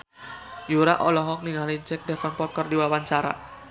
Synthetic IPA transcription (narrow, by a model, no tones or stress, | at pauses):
juɾaʔɔlɔɦɔk̚niŋaliɲt͡ʃɛk̚dɛfanpɔt̪̚kərdiwawaɲt͡ʃaɾa̰